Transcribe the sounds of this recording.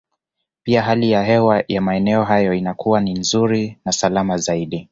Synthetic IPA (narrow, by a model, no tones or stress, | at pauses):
piaɦalijahɛwajamaɛnɛɔɦajɔinakʰuwaninzuɾinasalamazaiɗi